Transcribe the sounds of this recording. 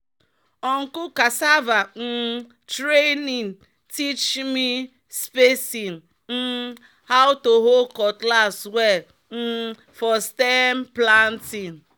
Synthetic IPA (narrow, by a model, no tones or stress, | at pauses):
ɔŋ̩kʊkasavan̩ | tɾeniŋ | tit͡ʃmi | spesin | n̩ | haʊtoɦokɔklaswe | n̩ | fɔstemplantin